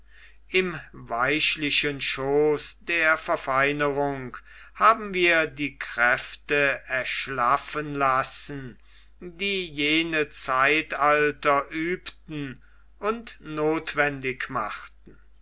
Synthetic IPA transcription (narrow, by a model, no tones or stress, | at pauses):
ʔɪmvaɪʃlɪʃənʃoːsd̥eːɐfɛɐfaɪnəʁʊŋk | haːbm̩viːɐdiːkʁ̥ɛftəɛɐʃlafənlasn̩ | diːjeːnət͡saɪtaltɐʔyːptn̩ | ʊntnoːtv̥ɛndɪkmaχtn̩